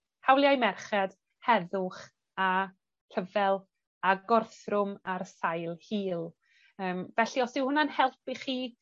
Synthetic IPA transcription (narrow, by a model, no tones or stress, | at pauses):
hawlˠjajmɛrχɛd̥ | hɛðʊχ | a | kʰəvɛlˠ | aɡɔrθrʊmarsajlˠhiːlˠ | əːmvɛɬiɔsdɪwhʊnanhɛlˠpiχiː